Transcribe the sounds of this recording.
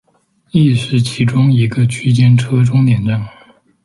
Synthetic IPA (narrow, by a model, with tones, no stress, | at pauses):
i˥˧ʂɻ̩˥˩t͡ɕʰi˧˥ʈ͡ʂʊ˥ŋi˧˥ɡə˧t͡ɕʰy˥t͡ɕjɛ˥nʈ͡ʂʰɤ˥ʈ͡ʂʊ˥ŋt̪jɛ˨˩nʈ͡ʂa˥˩ŋ